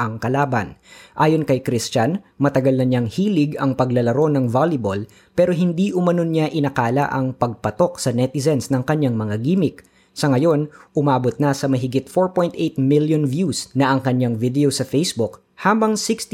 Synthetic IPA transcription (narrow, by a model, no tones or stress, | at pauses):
ɐŋkɐlaːbɐnʔaːjo̞nkɐjkɾist͡ʃɐn | mɐt̪ɐɡɐlnɐɲaŋhiːlɪɡɐŋpɐɡlɐlɐɾo̞nɐŋvalɪbol | pɛːɾo̞ɦɪnd̪iʔʊmɐno̞nɲaʔɪnɐkaːlɐ̰ʔɐŋpɐɡ̚pɐt̪o̞k̚sɐnɛt̪ɪzɛnsnɐŋkɐɲaŋmɐŋaɡiːmɪk̚ | sɐŋɐjo̞nʔʊmaːbo̞t̪̚nɐsɐmɐɦɪɡɪt̪̚fo̞ɹpo̞jnt̪ʔejt̪̚miljonvjusnɐʔɐŋkɐɲaŋvid̪ɛosɐfejsbʊk | haːbɐŋsɪkst̪